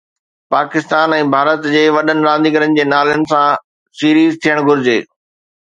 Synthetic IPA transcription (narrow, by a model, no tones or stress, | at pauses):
paːkɪst̪aːnɛ̃ːbʱaːɾət̪d͡ʑeːʋɐɗənɪ̆ɾãːnd̪iɡəɾənɪ̆d͡ʑeːnaːlənɪ̆sã | siːɾiːzt̪ʰijəɽ̃ɡʱʊɾɪd͡ʑḛː